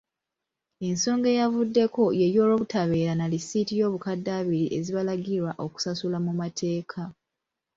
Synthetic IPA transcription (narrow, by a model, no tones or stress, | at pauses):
e̞nso̞ːŋɡe̞javudːe̞ko̞je̞ɾjo̞ːlo̞ːβutaβe̞ːɾanalisitijo̞ːβukadːaːβiɾiʔe̞ziβalaɡiɾwaʔo̞ku̥sasulamumatʰe̞ːkʰa